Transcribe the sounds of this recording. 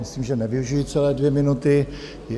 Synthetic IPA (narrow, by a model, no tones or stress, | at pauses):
ɪsliːmʒɛnɛvɪuʒijit͡sɛlɛːdvjɛmɪnut̪ɪ | j